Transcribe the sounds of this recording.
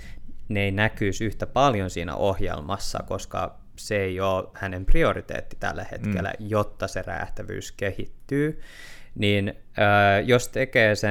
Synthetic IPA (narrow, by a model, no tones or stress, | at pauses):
neinækyːsyht̪æpɑljonsiːnæ̰ʔohjḛlmɑsːɑ̰koskɑ̰ | seeijoːhænempriorit̪ḛːt̪ːi̥t̪æ̰lːæhḛt̪kelːæ̰jot̪ːɑseræ̰ːht̪æʋy̰ːskehit̪ːyː | niːn | əːjost̪ekeːse